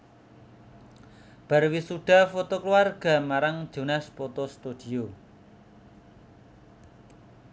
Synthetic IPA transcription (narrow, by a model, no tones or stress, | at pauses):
b̥a̤rwisuɖ̥a̤fot̪okluarɡ̥a̤maɾaŋ̥ʒ̥o̤naspot̪ost̪ud̪̥i̤o